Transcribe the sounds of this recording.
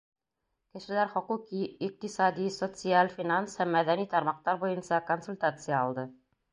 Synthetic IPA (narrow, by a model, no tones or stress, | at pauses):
kɘ̆ʃɘ̆læɾχŏquqiːq̚t̪isɑd̪isot̪sɨalʲfʲinanshæmːæðænit̪ɑɾmɑq̚t̪ɑɾbujɤnsɑkonsulʲt̪at̪sɨjəɒlˠd̪ɤ